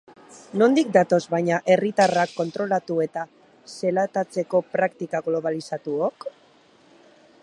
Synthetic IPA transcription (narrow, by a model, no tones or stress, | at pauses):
no̞nd̪ik̚d̪at̪o̞zβajɲaʔe̞rit̪arakːo̞nt̪ɾo̞lat̪ue̞t̪a | se̞lat̪at͡se̞ko̞pɾakt̪ikaɣlo̞β̞alisat̪uok